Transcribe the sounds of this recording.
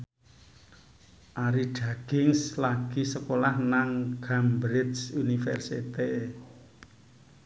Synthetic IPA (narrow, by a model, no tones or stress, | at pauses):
ʔaɾiɖ̥ä̤ɡ̥ɪŋslaɡ̥isəkolahnaŋɡ̥ambɾɪd̪sunifɛ̰rsit̪e